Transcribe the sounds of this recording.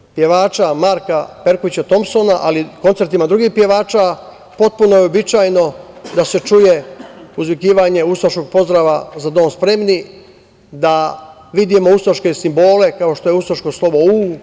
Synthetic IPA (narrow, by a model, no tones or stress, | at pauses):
pje̞ʋaːt͡ʃamaɾkape̞ɾkoʋit͡ɕat̪o̞mso̞naʔalikont̪se̞ɾt̪imad̪ɾuɡiːhpje̞ʋaːt͡ʃa | po̞t̪̚punojeo̞bit͡ʃaːjno̞d̪ase̞t͡ʃujeuzʋikiːʋaːɲe̞usoʃko̞ɡ̚po̞zd̪ɾaːʋazad̪o̞ːnspɾe̞mni | d̪a | ʋid̪imo̞ust̪ɾoʃke̞simbo̞ːle̞kao̞ʃt̪o̞jeusɾoʃko̞slˠo̞bou